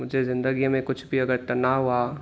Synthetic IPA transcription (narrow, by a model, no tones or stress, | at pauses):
mʊd͡ʒʱezɪ̃nd̪əɡimẽkʊt͡ʃʰbʱiɐɡəɾt̪ɐnaːɦua